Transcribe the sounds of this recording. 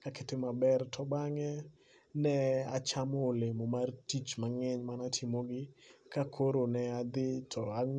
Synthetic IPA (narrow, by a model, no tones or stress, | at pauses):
kaketemabɛrtʰɔbaŋɛ | nɛat͡ʃamɔːlemomartit͡ʃmaŋɛɲmanatʰɪmoɡɪkakʰoɾonɛad̪ɪtʰɔa